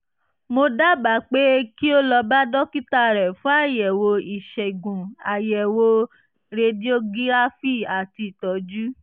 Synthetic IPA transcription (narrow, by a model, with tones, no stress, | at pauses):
mo˧da˦ba˨˦k͡pe˦ki˦o˦lɔ˧ba˦dɔ˦ki˦ta˧˨ɾɛ˨fũ˦a˦˨jɛ˨wo˧i˨ʃɛ˨ɡũ˨a˨jɛ˨wo˧ | ɾe˧di˦o˦ɡĩ˦ɾa˦fi˦˨a˨ti˧i˨tɔ˨˦d͡ʒu˦